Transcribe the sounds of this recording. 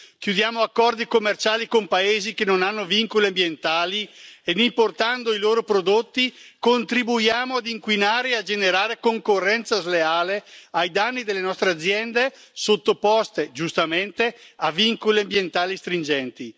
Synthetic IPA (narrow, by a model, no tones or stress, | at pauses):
kjud̪jaːmoakːɔrd̪ikomːert͡ʃaːlikompaeːzikenonanːoviŋkoliambjent̪aːlied̪import̪and̪oiloːɾopɾod̪ot̪ːikont̪ɾibujaːmoad̪iŋkwinaːɾeead͡ʒeneɾaːɾekoŋkorːɛnt̪sazleaːleajd̪anːid̪elːenɔst̪ɾead̪zːjɛnd̪e | sot̪ːopɔst̪ed͡ʒust̪ament̪eaviŋkoliambjent̪aːlist̪ɾind͡ʒɛnt̪i